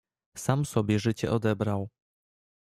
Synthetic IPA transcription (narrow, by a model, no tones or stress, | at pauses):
samsɔbʲjɛʐɘt͡ɕɛ̰ʔɔd̪ɛbɾaw